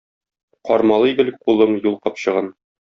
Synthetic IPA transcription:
qɒɾmɑlˠɤɡɘ̆lɘk̚qulˠɤmjulˠqɒpɕɤ̆ʁɑn

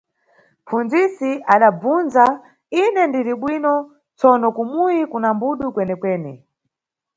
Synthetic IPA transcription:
p͡funzisiʔaɗab͡vunza | inɛndiɾiɓwinɔ | t͡sɔnɔkumujikunambuɗukwɛnɛkwɛːni

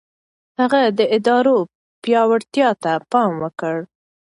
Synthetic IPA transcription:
haɣad̪əʔɪd̪ɑɾo | pjɑwaɽt̪jɑt̪apɑmwəkəɽ

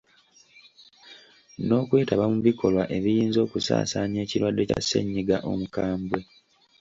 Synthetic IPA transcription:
no̞ːkwe̞ːtaβamuβikʰo̞lwaʔe̞βijiːnzo̞ːkusa̰ːsaːɲe̞ːciɾwadːe̞ca̰sːe̞̰ɲːiɡaʔo̞̰mukaːmbwe̞

